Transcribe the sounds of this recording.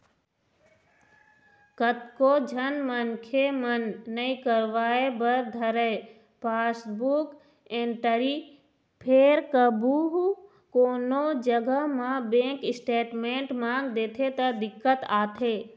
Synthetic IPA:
kət̪kod͡ʒʱənmənkʰemənːəĩkəɾʋaːebəɾd̪ʱəɾəe | paːsbuk | ẽːɳʈəɾi | pʰeːɾkəbuɦ | koːnod͡ʒəɡəɦmãbẽːŋkɪsʈeːʈmẽːɳʈmãːŋɡd̪eːt̪ʰet̪əd̪ɪkːət̪aːt̪ʰeː

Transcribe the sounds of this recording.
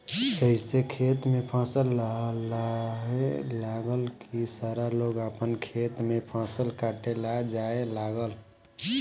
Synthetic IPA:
d͡ʒəɪsekʰeːt̪mẽpʰãːsəlːalaɦelaːɡəlkisaːɾaloːɡaːpənkʰeːt̪mẽpʰãːsəlkaːʈelad͡ʒaːelaːɡəl

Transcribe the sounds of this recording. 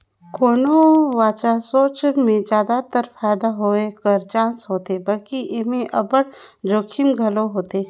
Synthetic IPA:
kʰoːnowaːt͡ʃasoːt͡ʃmẽd͡ʒjaːd̪at̪əɾfʰaːjd̪aɦoːekəɾt͡ʃãːnsɦoːt̪ebɐlkiʔɪmẽʔɐbəɽd͡ʒoːkʰɪmɡʱɐloɦoːt̪eː

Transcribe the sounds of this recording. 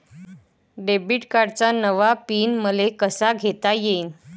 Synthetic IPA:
ɖebiʈkaɽt͡sanəʋapiːnməlekəsaɡʱet̪ajein

